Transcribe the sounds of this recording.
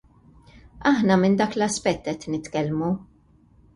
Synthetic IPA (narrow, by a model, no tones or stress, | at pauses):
ɐħnɐmɪnd̪ɐːklɐspɛt̪ːɛt̪ːnɪt̪kɛlmu